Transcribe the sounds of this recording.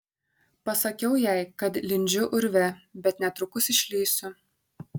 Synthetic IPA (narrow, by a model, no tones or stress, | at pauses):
pɐsɐkʲɛʊjɛɪkɐt̪lʲɪnʲd͡ʒʲʊʔʊɾʲʋʲɛbʲɛt̪nʲɛt̪ɾʊkʊsɪʃʲlʲiːsʲʊ